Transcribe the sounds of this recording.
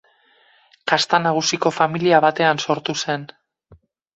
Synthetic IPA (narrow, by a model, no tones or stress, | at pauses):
kast̪anaɣ̞usiko̞familiaβat̪e̞anso̞ɾt̪use̞n